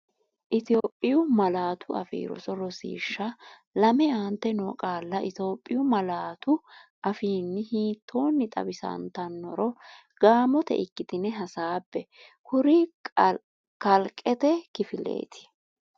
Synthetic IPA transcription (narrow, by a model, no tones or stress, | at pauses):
ʔɪt̪ɪo̞ːpʼːɪjʊmɐlaːt̪ʰʊɐ̰fḭːɾɔ̰sɔɾɔsḭːʃːɐ | lɐmɛant̪ːɛnoːkʼaːlːɐʔɪt̪o̞ːpʼːɪjʊmɐlaːt̪ʊʔɐfiːnːɪhiːt̪ʰːo̞ːnːɪt̪ʼɐ̰bɪsɐ̰nt̪ɐnːɔɾɔ | ɡ̥aːmɔt̪ɛ̰ɪkːɪt̪ɪnɛɦɐsaːpːɛ | kʰʊɾɪ | kɐlkʼːɛt̪ɛkɪfɪle̞̰ːt̪ʰɪ̥